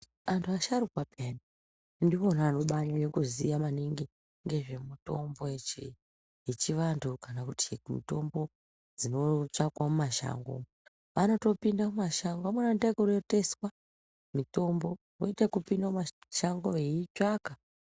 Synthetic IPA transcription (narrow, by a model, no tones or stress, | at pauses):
antʰuaʃaɾukwapʰena | ndio̞naːno̞ɓaɲanekuzijamaniŋɡi | ŋɡe̞ʐe̞muto̞mbo̞et͡ʃḭ | jet͡ʃiʋantʰukanakutʰimḭto̞mbo̞ | d͡zino̞t͡ʂakwamumaʃa̰ŋɡo̰m | ʋano̞to̞pindamumaʃaŋɡoamwanandakuɾote̞swa | mito̞mbo̞ | ro̰itakupindamaʃaŋɡoeiaka